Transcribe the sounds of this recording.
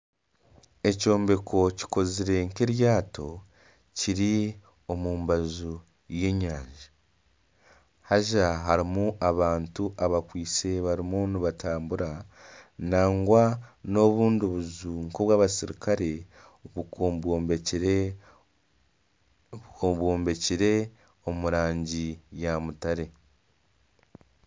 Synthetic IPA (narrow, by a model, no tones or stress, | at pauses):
e̞co̞ːmbe̞kʰo̞ci̥ko̞ziɾe̞ŋkeɾjaːto̞ | ciɾi | o̞muːmbazu | jeɲaːɲʒi | haʒaɦaɾimuʔaβaːntuʔaβakwiːt͡se̞βaɾimuniβataːmbuɾa | naːŋɡwano̞βuːndiβuzuŋkoβwaːβasiɾikʰaɾe̞ | βubo | oβwoːmbe̞ciɾe̞ | omuɾaːɲɟijamutaɾe̞